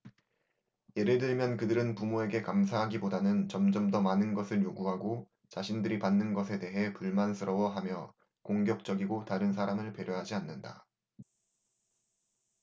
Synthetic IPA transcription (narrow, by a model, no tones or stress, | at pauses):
je̞ɾɯɭdɯɭmjʌnkɯdɯɾɯnpumoe̞ɡe̞kams̬ʰaɦaɡibodanɯnt͡ɕʌmd͡ʑʌmdʌmanɯnɡʌsʰɯɭjoɡuɦaɡo | t͡ɕaɕʰindɯɾipanːɯnɡʌsʰe̞de̞ɦe̞puɭmansʰɯɾʌwʌɦamjʌ | koŋɡjʌk̚t͡ɕ͈ʌɡiɡotaɾɯnsʰaɾamɯɭpe̞ɾjoɦad͡ʑianːɯnda̰